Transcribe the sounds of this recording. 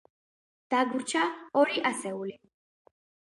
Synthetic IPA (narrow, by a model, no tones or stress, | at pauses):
d̪̥aɡuɾt͡ʃʰaɔɾiʔasɛuli